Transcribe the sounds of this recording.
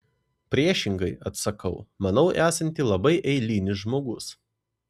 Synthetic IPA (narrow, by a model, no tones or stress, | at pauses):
pʲɾʲiɛʃʲɪŋɡɐɪɐt̪sɐkɐʊmɐnɒʊʔæːsɐnʲt̪ʲiːlˠɐbɐɪʔɛɪlʲiːnʲɪʒmoːɡʊs